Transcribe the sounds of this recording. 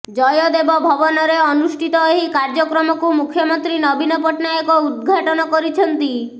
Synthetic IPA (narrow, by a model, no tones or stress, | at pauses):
d͡ʒɔjɔd̪ebɔbʱɔbɔnɔɾeɔnusʈʰit̪ɔeɦikaɾd͡ʒɔkɾɔmɔkumukʰjɔmɔnt̪ɾinɔbinɔpɔʈnajɔkɔud̪̚ɡʱaʈɔnɔkɔɾit͡ʃʰɔnt̪i